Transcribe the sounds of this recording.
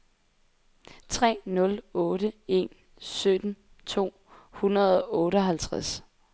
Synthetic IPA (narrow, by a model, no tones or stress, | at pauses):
t͡sʰʁɛ̰ːnɔ̽lɔ̽ːɾəe̝̰n | sød̥n̩ | t͡sʰo̝̰ː | hunɐð̞ˠɒʔɔ̽ːɾəɒ̽ɦælt͡sʰʁas